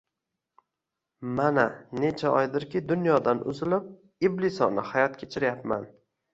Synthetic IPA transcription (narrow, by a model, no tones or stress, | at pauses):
manane̞t͡ʃʰaɒjd̪ɪɾkʲɪd̪ʊnjɒd̪anʔʊ̰zɪlɪp̚ | iblɪsɒnɪhajɒt̪kʲʰet͡ʃʰɪɾjapma̰n